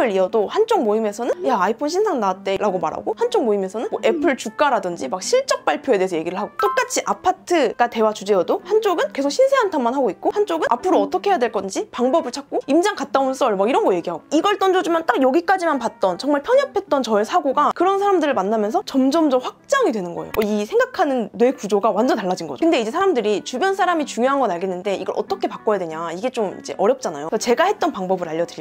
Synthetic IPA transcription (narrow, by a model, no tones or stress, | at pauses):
ɯɾiʌdohant͡ɕ͈oŋmoime̞sʰʌnɯnjaːipʰonɕʰinsʰaŋnaat̚t͈e̞ɾaɡoma̰ɾɦa̰ɡohant͡ɕ͈oŋmoimesʰʌnɯnmwʌʔe̞pʰɯɭt͡ɕuk̚k͈aɾadɯnd͡ʑimak̚ɕʰiɭt͡ɕ͈ʌk̚p͈aɭpʰjoe̞deesʰʌje̞ɡiɾɯɭɦaɡot͈ok͈at͡ɕʰiʔapʰatʰɯɡ̥ate̞wat͡ɕud͡ʑeʌdohant͡ɕ͈oɡɯnkesʰok̚ɕʰinsʰeɦantʰamanɦaɡoikk͈ohant͡ɕ͈oɡɯnapʰɯɾoʌt͈ʰʌkʰejadwe̞ɭk͈ʌnd͡ʑipaŋbʌbɯɭt͡ɕʰak̚k͈oimd͡ʑaŋkat̚t͈auns͈ʰʌɭmaiɾʌnɡʌje̞ɡiɦaɡoiɡʌɭt͈ʌnd͡ʑod͡ʑumant͈aɡjʌɡik͈ad͡ʑimanpat̚t͈ʌnt͡ɕʌŋmaɭpʰjʌɲʌpʰe̞t̚t͈ʌnt͡ɕʌesʰaɡoɡakɯɾʌnsʰaɾamdɯɾɯɭmanːamjʌnsʰʌt͡ɕʌmd͡ʑʌmd͡ʑʌmɸwak̚t͡ɕ͈aŋidwe̞nɯnɡʌejoisʰe̞ŋɡakʰanɯnːwe̞kud͡ʑoɡawand͡ʑʌntaɭːad͡ʑinɡʌ̰d͡ʑokɯnde̞id͡ʑe̞sʰaɾamdɯɾit͡ɕubjʌnsʰaɾamit͡ɕuŋjoɦanɡʌnaɭɡenːɯnde̞ḭɡʌɾʔʌ̰t͈ʌkʰe̞pak͈ʌjadwe̞ɲaiɡe̞t͡ɕomḭd͡ʑe̞̰ʔʌɾjʌp̚t͡ɕ͈ana̰josʰt͡ɕe̞ɡahe̞t̚t͈ʌnpaŋbʌbɯɾaʎːʌdɯʎ